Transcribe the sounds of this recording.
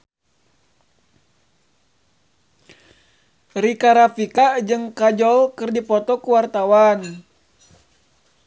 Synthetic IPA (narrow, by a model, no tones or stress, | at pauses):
rikaɾafikad͡ʒɨŋkad͡ʒɔlkɨrdipɔt̪ɔkuwart̪awan